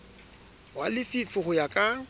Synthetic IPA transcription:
walɪfifʊχʊjakʼa

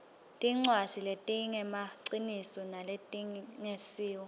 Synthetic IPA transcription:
tʼiŋ͡ǀwaziletʼiŋɛmaǀinisɔnaletʼiŋesiːwɔ

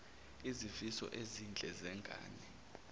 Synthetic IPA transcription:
izifisɔ̰ʔezind͡ɮʱɛzɛŋɡʱa̰ːnɛ

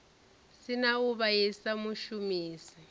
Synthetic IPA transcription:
sinauβaisamuʃumiːsi

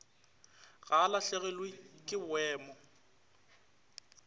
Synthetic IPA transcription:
ɣalaɬɛɣɛlwikʼɪbwɛːmɔ

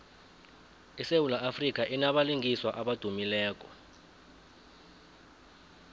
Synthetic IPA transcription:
isewulaʔafrik̬ʼaʔinaɓaliŋiswaʔaɓad̥ʱumilɛːk̬ʼɔ

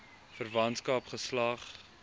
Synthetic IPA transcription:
fərvɐntskɐpχəslɐχ

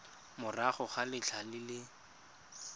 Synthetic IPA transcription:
mʊraχʊχalɪt͡ɬʰalɪlɪ

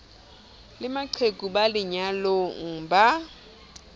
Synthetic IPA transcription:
lɪmaǀʰekʼubalɪɲaloŋ̩ba

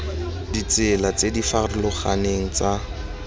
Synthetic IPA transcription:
dit͡sɪlat͡sedifarɪlʊχaneŋ̩t͡sa

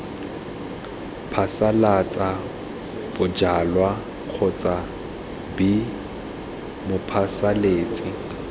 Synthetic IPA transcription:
pʰasalat͡sʼa | b̥ʊd͡ʒalwa | q͡χʰʊt͡sʼa | bi | mʊpʰasaleːt͡sʼɪ

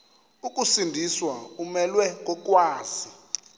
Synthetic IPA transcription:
ukʼusindʱiswaumɛlwɛk̬ʼɔk̬ʼwaːzi

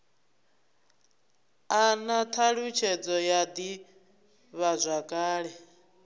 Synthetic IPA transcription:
anat̪ʰaɺut͡ʃʰɛd͡zɔjad̪i | βazʷakʼaːɺɛ

